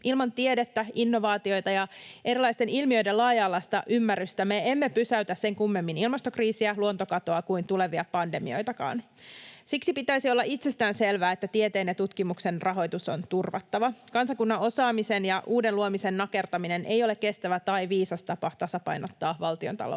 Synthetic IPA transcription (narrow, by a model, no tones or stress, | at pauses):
ʔilmɑnt̪iede̞t̪ːæinːo̞ʋɑːt̪io̞jt̪ɑjɑʔe̞ɾilɑjst̪e̞nilmiø̞jde̞lɑːjɑːlːɑst̪ɑʔymːæryst̪æme̞emːepysæyt̪æsse̞ŋkumːe̞mːinilmɑst̪okriːsiæluont̪o̞kɑt̪oɑkuint̪ule̞ʋiɑpɑnde̞mḭo̞̰jt̪ɑkɑ̰ːn | siksipit̪æisio̞lːɑʔit̪se̞st̪æːnselʋæːet̪ːæt̪iet̪eːnːet̪ut̪kimukse̞nrʔɑɦo̞jt̪uso̞nt̪urʋɑ̰t̪ːɑʋɑkɑnsɑkunːɑo̞sɑːmise̞njɑʔuːde̞nluomise̞nːɑke̞rt̪ɑmine̞nʔe̞̰jo̞lekke̞st̪æʋæt̪ɑjʋiːsɑst̪ɑpɑt̪ɑsɑpɑ̰jno̞t̪ːɑːʋɑlt̪iont̪ɑ̰lo̰